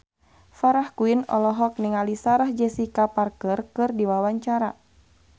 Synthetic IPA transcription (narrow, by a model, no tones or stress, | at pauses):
faɾahkuinɔ̰lɔɦɔk̚niŋalisaɾahd͡ʒɛsikaparkərkɨrdiwawaɲt͡ʃaɾa